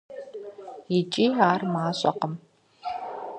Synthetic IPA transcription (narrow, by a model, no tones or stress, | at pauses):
jɪt͡ʃʼiːaːrmaːɕʼɐ̰qəm